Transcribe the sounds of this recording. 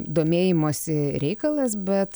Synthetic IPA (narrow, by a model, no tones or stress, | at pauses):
d̪oːmʲeːjɪmoːsʲɪɾʲɛɪkɐlˠɐsbʲɛt̪